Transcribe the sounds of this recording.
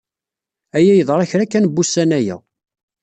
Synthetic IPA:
æjæjəðˤɾˤæçɾækːænbːusːænæjæ̰

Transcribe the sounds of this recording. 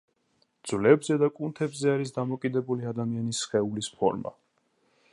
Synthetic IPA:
d̪z̥vlɛbzɛd̪akʼunt̪ʰɛbzɛaɾis̬d̪amɔkʼid̪ɛbuliad̪amianisχɛulispʰɔ̰ɾma̰

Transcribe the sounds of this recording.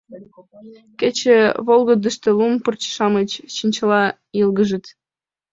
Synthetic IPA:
kʲet͡ɕĕβolˠɡod̪ə̆ʃt̪ĕlˠumpɤrt͡ɕʃɑmə̆t͡ɕɕinʲt͡ɕɤ̆lˠɑ | jɤlˠɡə̆ʒə̆t̪

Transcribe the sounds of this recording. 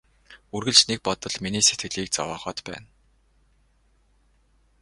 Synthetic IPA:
urɣɘ̆ɮt͡ɕnek̚pɔt̪ɞ̆ɮminiːse̥t̪ɡɘ̆ɮiːk̚t͡sɔ̰wɔːχɔːt̪pæ̰ːn

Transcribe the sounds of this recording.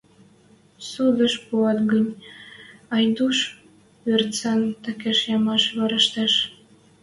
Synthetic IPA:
sud̪əʃpuɑt̪ɡənʲ | ɑjd̪uʃ | ørt̪t͡sɑnt̪əkeʃjɑmɑʃβɑɾəʃt̪ɑʃ

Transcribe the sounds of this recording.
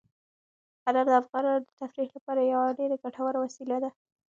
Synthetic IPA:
alaɾd̪əafɣɑnad̪ət̪afɾiklapɑɾajawaɖeɾaɡaʈʰawaɾawasilad̪a

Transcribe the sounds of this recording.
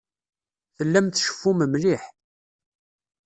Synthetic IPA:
θəlːæmθʃə̥fːuməmliħ

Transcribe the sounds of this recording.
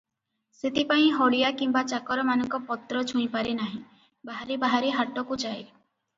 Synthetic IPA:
set̪ʰipaĩɦɔɭijakimbat͡ʃakɔɾɔmanɔŋkɔpɔt̪ːɾɔt͡ʃʰũĩpaɾenaɦĩ | baɦaɾebaɦaɾeɦaʈɔkud͡ʒae

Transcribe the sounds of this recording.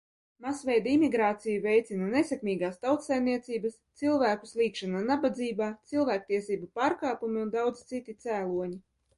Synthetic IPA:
masvʲɛjd̪aimʲiɡɾaːt̪sijuvʲɛjt̪sʲinanesʲɛkmʲiːɡaːst̪awt̪sajmniɛt̪siːbɐst̪silˠvæːkuslʲˠiːkʃanaːnabad̪ziːbaːt̪silˠvæːk̚t̪iɛsiːbupaːɾkaːpumiund̪awd̪zit̪sit̪ʲit̪sæːlˠuɔɲi

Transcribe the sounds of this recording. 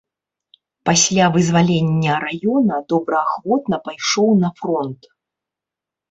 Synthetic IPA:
pasʲlʲavɨzvalʲenʲːɐɾajɔnɐd̪̥ɔbɾɐaxvɔt̪nɐpajʂɔwnɐfrɔnt̪

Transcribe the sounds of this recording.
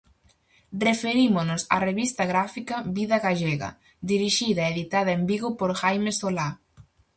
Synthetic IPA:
refeɾimʊnʊsa̰reβist̪ɐɣɾafikɐβiðɐɣaʎeɣɐ̰ | d̪iɾiʃiðɐeeðit̪aðɐembiɣʊpoɾxajmesola

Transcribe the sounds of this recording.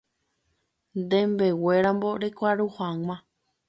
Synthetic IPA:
nd̪ẽmbe̞we̞ɾãmbo̞ɾekʷaɾuhaŋʷã

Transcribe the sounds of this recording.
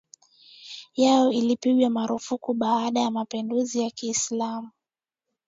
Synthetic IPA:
jajɔilipiɠwamaɾufukuɓaːɗajamapinduzijakiːslamu

